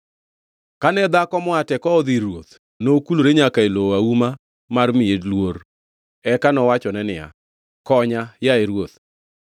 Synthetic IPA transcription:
kanɛd̪akɔmɔatɛkɔd̪iɾwot̪ | nokuloɾeɲakaelowauma | marmɪedlwor | ɛkanɔwat͡ʃɔnɛnɪa̰ | kɔɲajaeɾwot̪̚

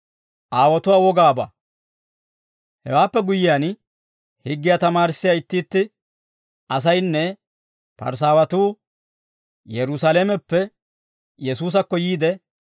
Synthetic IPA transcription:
ʔaːwɔt̪ʊwaːwɔɡaːbɐ̰ | hɛ̰waːpːɛɡʊjɪjaːn | hɪɡːɪjat̪ɐmaːɾɪsːɪjaɪt̪ːiːt̪ːɪ | ɐs̬ɐjnːɛ | pɐ̰ɾs̬aːwɐt̪uː | jɛɾʊsalɛːmɛpːɛ | jɛsuːs̬ɐkːɔjiːd̪ɛ

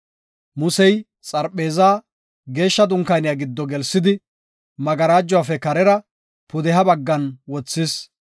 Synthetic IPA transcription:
mʊsɛj | t͡sʼɐɾpʼːe̞ːzaː | ɡe̞ːʃːɐd̪ʊŋkɐjnɪjaɡɪd̪ːɔɡɛlsːɪd̪ɪ | mɐɡɐɾaːd͡ʒːɔwaːfɛkɐɾɛɾɐ | pʊd̪ɛɦɐbɐɡːɐnwɔt͡sːɪs

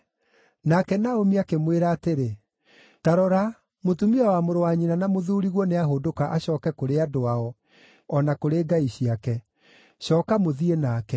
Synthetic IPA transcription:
nakɛnaomiakemweɾaːteɾe | taɾɔɾa | motumiawamoɾowaɲinanamoðuːɾiɣwɔneaɦodokaʔaɕɔːkɛkoɾeadoaɔ | ɔnakoɾeːɡaiɕiakɛ | ɕɔːkamoðienakɛ

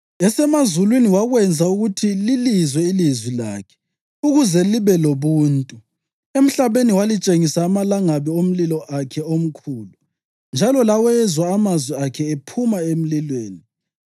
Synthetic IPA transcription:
ɛsɛmazulwiniwaɣwɛnd͡zʱauɣutʰililizwɛilizwila̰ːkʰɛ̥ | uɣuzɛliβɛloβuːntʼu | em̩ɬaβeniwalit͡ʃʼeŋisaːmalaŋaβiom̩lilɔʔakʰɛom̩kʰuːlu | nd͡ʒʱalɔlawɛzwaːmazwɛakʰɛepʰumaem̩lilweːni

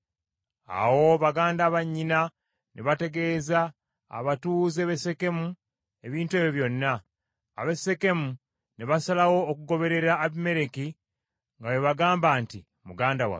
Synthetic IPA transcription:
a̰wo̞βaɡaːndaːβaɲːina | nʔeβate̞ɡe̞ːza̰ː | βatuːzeːβe̞se̞ke̞mu | e̞βiːntwe̞ːβjoβjo̞nːa̰ː | βese̞ke̞mu | neβasalawo̞ːkuɡo̞βe̞ɾe̞ɾaːβime̞ɾeki | ŋɡaweβaɡaːmbaːnti | muɡaːndawa̰

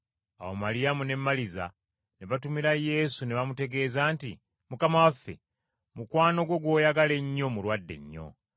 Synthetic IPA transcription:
a̰womaɾijamune̞mːaliza̰ | neβatumiɾaje̞suneβamute̞ɡe̞ːzaːnti | mukamawafːe̞̰ | mukwaːnoɡwo̞ɡwo̞ːjaɡale̞ɲːo̞mulwadːe̞̰ɲːo̞̰

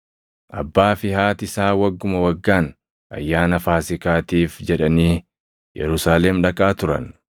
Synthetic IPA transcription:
ʔɐbːaːfɪhaːt̪ɪsaːwɐɡːʊmɐwɐɡːaːn | ʔɐ̰jːaːnɐfaːsɪkaːt̪iːfd͡ʒɛᶑɐniː | jɛ̰ɾʊsaːlɛmᶑɐkʼaːt̪ʊɾɐ̰n

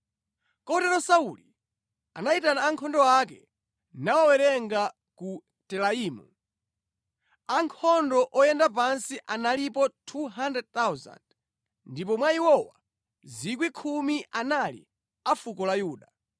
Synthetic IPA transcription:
kɔtɛɾɔsauli | a̰naitanaːŋkʰɔndɔakɛ | nawawɛɾɛŋɡa | ku | tɛlaiːmṵ | aŋkʰɔndɔʔɔjɛndap̬ansiʔanalipɔtʰuɦandɛd̚t̪awza̰nd | ndip̬ɔmwaiwɔwa̰ | zik̬wikʰumiʔanalḭ | afukɔlajuːɗa

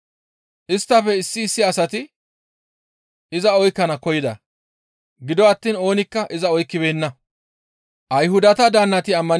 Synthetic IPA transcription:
ʔɪst̪ːɐfɛɪsːɪːsːɪɐsɐt̪ɪ | ɪzɐɔjkːɐnɐkɔjɪd̪ɐ̰ | ɡɪd̪ɔɐt̪ːiːno̞ːnɪkːɐʔɪzɐɔjkːɪbeːnːɐ | ʔɐjhʊd̪ɐt̪ɐd̪aːnːɐt̪ɪɐmːɐn

